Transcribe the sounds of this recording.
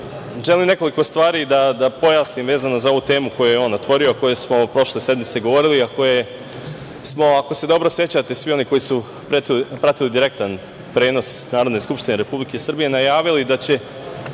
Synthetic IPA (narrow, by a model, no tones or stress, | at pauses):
ʒe̞limne̞ko̞likost̪ʋaːɾid̪ad̪apo̞jaːsnimʋe̞ːzanozao̞ʋuːt̪e̞ːmuko̞jujeo̞ːnot̪ʋo̞ɾioako̞jesmo̞pɾo̞ʃle̞se̞d̪mit̪se̞ɡo̞ʋo̞ɾiliako̞je | smo̞ako̞se̞d̪o̞bɾosje̞t͡ɕat̪e̞sʋio̞niko̞jisu | pɾet̪ipɾat̪ilid̪iɾe̞k̚t̪an | pɾe̞ːno̞snaːɾod̪ne̞skupʃt̪ineɾe̞publike̞sr̩bije̞najaːʋilid̪at͡ɕe̞